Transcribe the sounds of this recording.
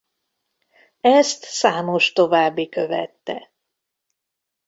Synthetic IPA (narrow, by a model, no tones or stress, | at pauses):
ɛst̪saːmo̞ʃt̪o̞vaːbːikøvɛ̰t̪ːɛ̰